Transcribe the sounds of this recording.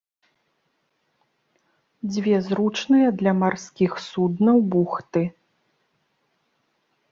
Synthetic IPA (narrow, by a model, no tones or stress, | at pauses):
d͡zʲvʲɛzɾut͡ʂnɨjɐd̪lʲɐmarskʲixsud̪nɐwbuxt̪ɨ